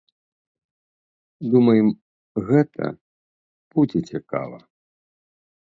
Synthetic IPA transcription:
d̪umɐjɛm | ɣɛt̪ʰɐ̰ | put͡sʲɛt͡sʲɛka̰vɐ̰

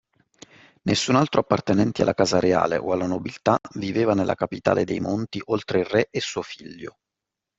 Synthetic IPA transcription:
nʔesːunalt̪ɾʔoapːart̪enɛnt̪ia̰lːakaːzaɾea̰ːlḛʔoalːanobilt̪aviveːvanelʔa̰kapit̪a̰ːled̪ejmont̪iʔolt̪ɾeirɛʔesːuːofiʎːo̰

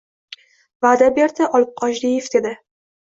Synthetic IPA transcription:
vaːd̪abe̞ɾd̪ɪʔɒlˠɪp̚qʰɒʃd̪ijefd̪e̞d̪ɪ

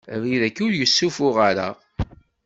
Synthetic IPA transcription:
viðækːuɾjəsːufʊʁaɾa̰ʁ

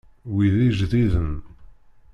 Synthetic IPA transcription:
wiðiʒðiðən

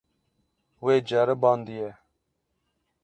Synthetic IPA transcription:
weːd͡ʒɛɾəbɑːnd̪ijɛ

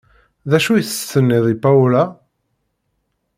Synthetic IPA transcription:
ðæʃujθət̪ːənːɪðˤipaula

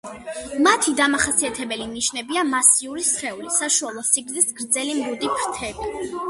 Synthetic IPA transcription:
mat̪ʰid̪amaχasiat̪ʰɛbɛliniʃnɛbiamasiuɾisχɛulisaʃualˠɔsiɡɾd̪isɡɾd̪zɛlimɾud̪ipʰɾt̪ʰɛbi

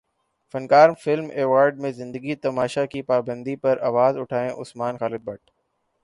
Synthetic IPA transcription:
fɐ̃nkaːɾmfɪlmeːʋaːɾɖ̚mẽzɪ̃nd̪əɡit̪ɐmaːʃakipaːbə̃nd̪ipɐɾaːʋaːzʊʈʰaːẽʔʊsmaːnxaːlɪd̪̚bɐʈ̚

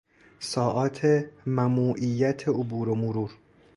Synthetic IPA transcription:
sɒːʔɒːt̪ʰemæmuːʔijːæt̪ʰeobuːɾomoɾuːɾ

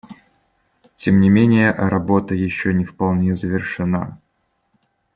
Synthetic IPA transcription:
tʲemnʲɪmʲenʲɪjəɾɐbo̞t̪əjɪɕːonʲɪfpɐlˠnʲezəvʲɪrʂɨna̰

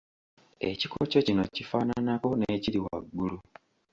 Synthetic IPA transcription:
e̞̰cikoco̞cino̞cifaːnanako̞neːciɾiwa̰ɡːulu

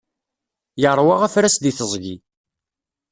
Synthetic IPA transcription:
jəɾˤwɑʁæfɾæsd̪iθəzˤʝi

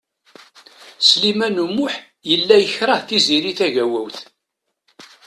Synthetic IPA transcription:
slimænumːʊħ | jəlːæjəçɾˤɑhθiziɾiθæʝæwæwθ

